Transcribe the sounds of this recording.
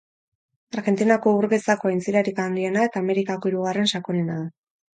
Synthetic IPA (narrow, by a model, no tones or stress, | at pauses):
aɾɣe̞nt̪inako̞uɾɣe̞sako̞ajnt͡siɾaɾikand̪ie̞nae̞t̪aːme̞ɾikako̞iɾuɣ̞are̞nʃakoɾenaða